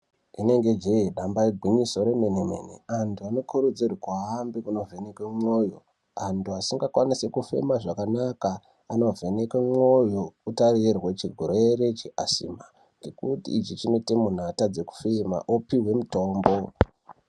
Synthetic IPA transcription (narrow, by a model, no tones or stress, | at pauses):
ine̞ŋɡe̞d͡ʒeiɗambaiɡʱwiɲisoɾemeneme̞̰nḛantʰuano̞kurud͡zirikwaːmbikuno̞ve̞nekwemo̞jo̞ | antʰuasiŋɡakwanisekufe̞̰maʐakanakaː | no̞vʱe̞nekwemwo̞jokutarirwet͡ʃiɡʱoɾoeɾet͡ʃiʔasḭma | ŋɡekutḭːt͡ʃit͡ʃino̞temun̤atad͡ze̞ku̥fema̰ʔopiwe̞muto̞ːmbo̞